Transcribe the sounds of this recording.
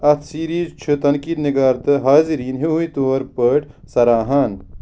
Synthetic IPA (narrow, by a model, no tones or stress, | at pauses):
ɐt̪ʰsiːɾiːzt͡ʃʰɨt̪ɐnkiːd̪niɡaːɾt̪ɨɦaːziɾiːnɦiɦujt̪oːɾpəːʈ | sɐɾaːɦaːn